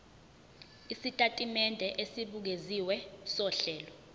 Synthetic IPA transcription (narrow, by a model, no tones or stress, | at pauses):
isitʼatʼimɛndʱɛʔesiɓuk̬eziwɛsɔɬɛːlɔ